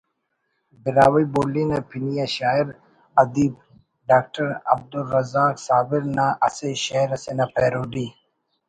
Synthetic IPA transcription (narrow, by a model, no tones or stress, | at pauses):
bɪɾaːwiboːliːnepʰinijaʃaːiɾ | ɐd̪iːb | ɖaːk̚ʈɐɾɐ̰b̚d̪ulːɐzaːksaːbɪɾnaʔɐseʃaiɾɐsenapʰeːɾoːɖiː